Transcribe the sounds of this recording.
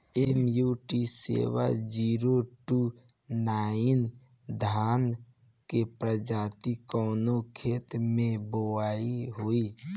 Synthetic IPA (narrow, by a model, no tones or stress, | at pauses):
emjuːʈisḛwa̰d͡ʒiːɾoʈu | naːin | d̪ʱaːn | kepɾəd͡ʒaːt̪ikɔːnokʰeːt̪mẽboaːiɦoːi